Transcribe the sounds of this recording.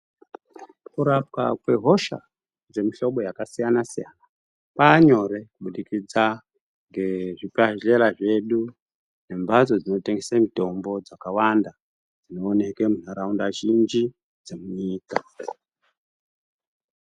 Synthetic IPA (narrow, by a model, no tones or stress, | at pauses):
kuɾap̚ka̰kwe̞ɦo̞ʃa̰ | d͡ze̞miɬo̞ɓo̞jakasijanasijana | paːɲo̞ɾe̞kuɓuɗikid͡za | ŋɡe̞ʐipaeɾaʐe̞ɗu | ne̞mbad͡zo̞d͡zino̞te̞ŋɡe̞samito̞mbo̞d͡zakawanda | d͡zino̞ːne̞kwemunaɾaundaʒind͡ʒi | d͡zemuɲiːka